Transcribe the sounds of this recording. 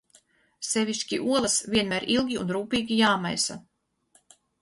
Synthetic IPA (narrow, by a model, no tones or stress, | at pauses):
sevʲiʃkʲiʔuɔlˠasvʲiɛnmæːɾʔilˠɡʲiṵnɾuːpiːɡʲijaːmajsa